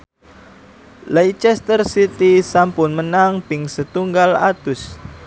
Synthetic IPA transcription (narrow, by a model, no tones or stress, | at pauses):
lajt͡ʃɛst̪ərsit̪isampʊnmənaŋpɪŋsət̪uŋɡala̰t̪ʊs